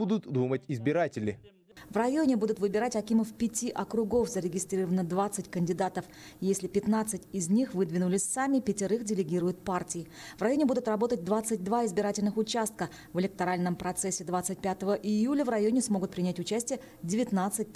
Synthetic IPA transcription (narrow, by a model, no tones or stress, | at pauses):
ud̪ʊt̪d̪umətʲɪzbʲɪɾatʲɪlʲɪ̰ | vrɐjonʲɪbud̪ʊt̪vɨbʲɪɾatʲɐkʲiməfpʲɪtʲiʔɐkɾʊɡo̞fzəɾʲɪɡʲɪst̪ɾʲiɾəvənəd̪vat̪sɨtʲkənʲdʲɪd̪at̪əf | jesʲlʲɪpʲɪt̪nat̪sɨtʲɪzʲnʲixvɨd̪vʲɪnʊlʲɪsʲsamʲɪpʲɪtʲɪɾɨxdʲɪlʲɪɡʲiɾʊjʊt̪̚partʲɪjɪvrɐjo̞nʲɪbud̪ʊt̪rɐbo̞t̪ət̚ʲd̪vat̪sɨt̚ʲd̪vaɪzbʲɪɾatʲɪlʲnɨxʊt͡ɕast̪̚kə | vɪlʲɪk̚t̪ɐɾalʲnəmpɾɐt̪sɛsʲːɪd̪vat̪sɨt̚ʲpʲat̪əvəʔɪjulʲəvrɐjonʲɪsmo̞ɡʊt̪̚pɾʲɪnʲætʲʊt͡ɕæsʲtʲɪjə | dʲɪvʲɪt̪nat̪sɨt̚ʲ